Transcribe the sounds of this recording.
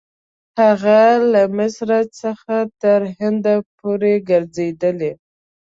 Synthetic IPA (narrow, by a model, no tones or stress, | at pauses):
haɣalamɪsɾat̪səxat̪əɾhɪnd̪apoɾeɡəɾzed̪əle